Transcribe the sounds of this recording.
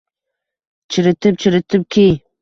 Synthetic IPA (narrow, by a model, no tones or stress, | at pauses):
t͡ʃʰɪɾɪt̪ɪp̚t͡ʃʰɪɾɪt̪ʰɪp̚kʲʰij